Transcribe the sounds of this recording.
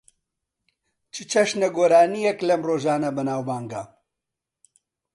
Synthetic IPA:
t͡ʃʰɨt͡ʃʰɐʃnɐɡoːɾaːnijɛklɐmroːʒaːnɐbɐnaːwbaːŋɡɐ

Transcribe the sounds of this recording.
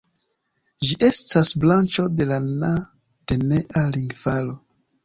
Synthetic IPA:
ʒiʔe̞stasblant͡ʃo̞de̞lana | de̞ne̞ʔaliŋɡvalo̞

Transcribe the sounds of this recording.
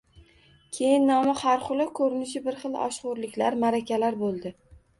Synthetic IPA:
kʲʰe̞jɪnːɒmɪhaɾqʊlˠɪkʰɵɾɪnɪʃɪbɪɾχɨlˠɒ̰ʃqʊɾlɪkʲlaɾmaɾakʲʰalaɾbolˠd̪ɪ

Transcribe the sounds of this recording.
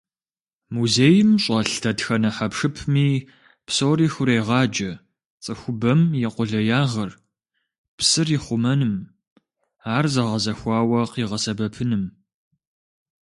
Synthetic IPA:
muzeːjɪmɕʼɐɬtʰɐtxɐnɐħapʂɨpʰmiː | psoːriːxʊɾejʁɑːd͡ʒɐ | t͡sʼɨxʷʊbɐmjɪqʷʊɮɐjaːʁɐr | psɨrjɪχʷʊmɐnɨm | aːrzɐʁɐzɐxʷɑːwɐqiːʁɐsɐbɐpʰɨnɨm

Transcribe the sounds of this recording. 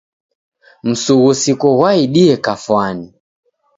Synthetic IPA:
m̩suɣusikuɣwaiɗiɛkafwani

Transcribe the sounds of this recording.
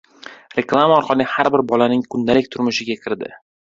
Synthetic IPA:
ɾe̞klˠamaɒɾqʰɑlˠɪhaɾbɪɾbɒlanɪŋkʰʊnd̪alɪk̚ʲt̪ʰʊɾmʊʃɪɡʲakʲʰɪɾd̪ɪ̰

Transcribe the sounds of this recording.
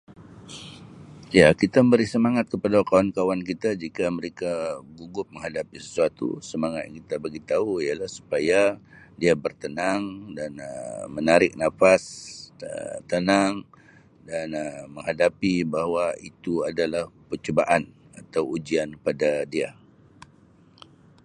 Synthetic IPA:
jakit̪aməmbəɾisəmaŋat̪̚kəpadakawankawankit̪ad͡ʒikaməɾekaɡuɡʊp̚məŋɦadapisə̥suat̪ṵsəmaŋat̪̚jaŋkit̪abaɡit̪auialahsu̥paja | diabərt̪ənaŋdanəmənaɾɪk̚nafasə̰t̪ənaŋ | danəməŋɦadapibaɦwait̪uadalahpət͡ʃəbaʔan | at̪awud͡ʒiankəpadadia

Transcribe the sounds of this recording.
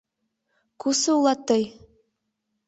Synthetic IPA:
kusɤulˠɑt̪ːɤj

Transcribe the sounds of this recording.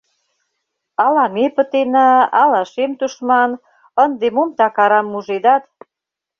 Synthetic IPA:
ɑlɑmepə̆t̪enɑɑlɑʃemt̪uʃmɑn | ənd̪emomt̪ɑkɑɾɑmːuʒed̪ɑt̪

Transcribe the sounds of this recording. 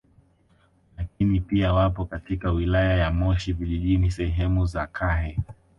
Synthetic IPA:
lak̚inipiawapɔkatikawilajajamɔʃiviʄiʄinisɛɦɛmuzakʰaɦɛ

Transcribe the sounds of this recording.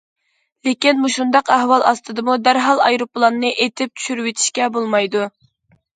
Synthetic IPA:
lɪkʲinmuʃund̪ɑqæhwɑlˠʔɑst̪ʰɨd̪ɨmud̪æɾɦɑlˠɑjɾoplˠɑnːɨʔet̪ʰɪp̚t͡ʃ̪ʰy̥ʃyɾywet̪ʰi̥ʃkʲɛbolˠmɑjd̪u

